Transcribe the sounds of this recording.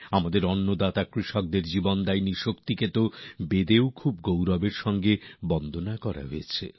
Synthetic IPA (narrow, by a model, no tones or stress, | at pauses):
amad̪eɾɔnːod̪at̪akɾiʃɔk̚d̪eɾd͡ʑibond̪ajniʃokt̪iket̪obed̪eokʰub̚ɡowɾɔbeɾʃɔŋɡebɔnd̪ʱonakɔɾa̰ɦojet͡ɕʰḛ